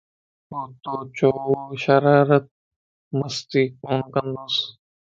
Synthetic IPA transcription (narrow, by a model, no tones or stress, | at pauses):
ot̪oːt͡ʃoːʃɐɾaːɾət̪̚ | məst̪iːkoːnkɐnd̪oːs